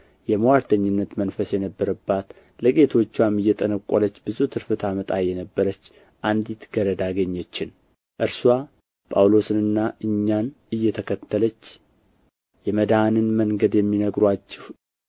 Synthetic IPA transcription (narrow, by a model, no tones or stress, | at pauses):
jɛməwaɾt̪ʰəɲːɪnːət̪mənfəsjɛnəbːəɾəbːat̪ | ləɡʼe̞t̪ʰo̞t͡ʃːwamɨjːɛt̪ʼənəkʷʼːolət͡ʃːbɨzut̪ʰɨɾfɨt̪ʰamət̪ʼajɛnəbːəɾət͡ʃː | ʔand̪it̪ɡ̥əɾəd̪aɡəɲːət͡ʃːɪn | ʔɨɾsua | pʼawlo̞sɨnɨnːaʔɨɲːan | ɨjːɛt̪ʰəkʰət̪ʰːələt͡ʃː | jɛməd̪anɨnməŋɡəd̪jɛmːinəɡɾwat͡ʃːɪh